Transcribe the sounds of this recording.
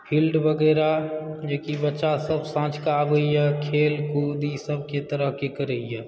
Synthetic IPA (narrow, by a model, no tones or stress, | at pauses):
pʰilɖbəɡəːɾad͡ʒekibətːʃasəbʱsãːt͡ʃkabəijakʰeːlkud̪isəbʱket̪əɾəɦkekəɾəijɛ